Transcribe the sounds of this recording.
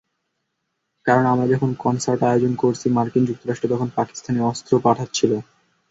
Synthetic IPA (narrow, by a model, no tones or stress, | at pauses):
kaɾonamɾad͡ʑɔkʰonkɔnsaɾʈaeod͡ʑonkoɾt͡ɕʰimaɾkind͡ʑuk̚t̪oɾaʃʈɾet̪ɔkʰonpaki̥st̪ʰaneɔst̪ɾopaʈʰat̪t͡ɕʰilo